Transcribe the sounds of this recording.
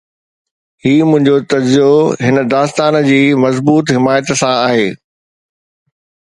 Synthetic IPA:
hiːmʊ̃ɦɪ̃ɲd͡ʑot̪ɐd͡ʑzijoɦɪnəd̪aːst̪aːnd͡ʑiːmɐzbuːt̪ɦɪmaːjət̪sãaːɦeː

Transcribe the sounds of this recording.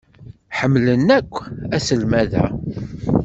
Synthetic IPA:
ħəmːlənːækʷːæsəlmæðæ̰

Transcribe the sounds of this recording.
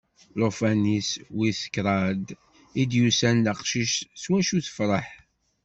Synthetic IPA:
lofæniswisə̥kːɾˤɑd̪ | id̪jusænləqʃiʃswæʃuθə̥fɾˤɑħ

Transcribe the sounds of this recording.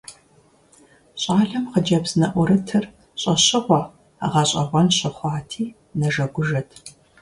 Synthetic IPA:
ɕʼaːɮɐmqəd͡ʒɐbz̥nɐʔʷʊɾɨtʰɨr | ɕʼɐɕɪʁʷɑ | ʁɐɕʼɐʁʷɔnɕɪχʷɑːtʰiː | nɐʒɐɡʷʊʒɐtʰ

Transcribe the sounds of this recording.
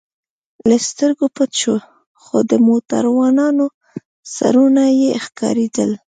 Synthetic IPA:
last̪əɾɡopət̪t͡ʃo | xod̪əmot̪a̰ɾwɑnɑno | sa̰ɾunajexkɑ̰ɾed̪ə̰l

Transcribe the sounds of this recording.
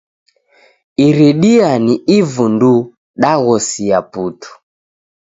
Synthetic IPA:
iɾiɗianiivundu | ɗaɣɔsiaputu̥

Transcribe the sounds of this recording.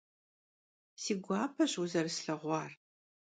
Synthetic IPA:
siːɡʷɑːpʰɐɕuzɐrɨsɬɐʁʷɑːr

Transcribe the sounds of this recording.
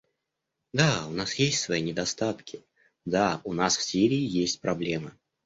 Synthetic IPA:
d̪aʊnasjesʲtʲsvɐinʲɪd̪ɐst̪at̪kʲɪ | d̪aʊnasfsʲiɾʲɪɪjesʲtʲpɾɐblʲemə

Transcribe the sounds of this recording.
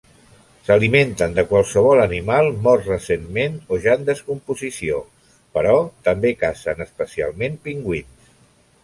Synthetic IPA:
səliment̪ənd̪əkwalˠsəβ̞ɔlənimalˠmɔrrəsenmenoʒaənd̪əskumpuzisio | pəɾɔt̪əmbekasənəspəsia̰lˠmempiŋɡwins

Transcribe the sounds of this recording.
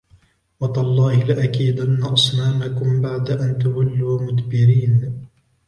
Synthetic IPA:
wɑt̪ˤɑlˤːɑːhɪlɪʔakiːd̪ʔanːaʔɑsˤnaːmakʊmbaʕd̪aʔant̪ʊwalːuːmʊt̪bɪɾiːn

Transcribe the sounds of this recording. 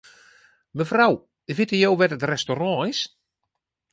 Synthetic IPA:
məfraw | əvɪtəjowʋɛtətrɛstorɔ̃ɪs

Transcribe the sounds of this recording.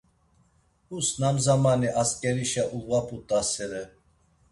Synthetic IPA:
usnamzamaniʔaskʼɛɾiʃaʔulvapʼut̪ʼasɛɾɛ

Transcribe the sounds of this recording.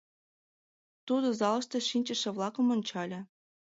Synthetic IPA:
t̪ud̪ŏzɑlˠɤ̆ʃt̪ɤ̆ʂinʲt͡ɕɘ̆ʃĕvlˠɑkɤ̆monʲt͡ɕɑlʲɘ̆

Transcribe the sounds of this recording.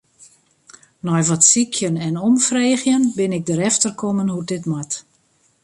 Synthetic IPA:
nɔjʋɔtsikʰjənɛnɔmfreːɣjənbɪnɪɡ̚dəɾɛftərkʰomənhudɪtmat

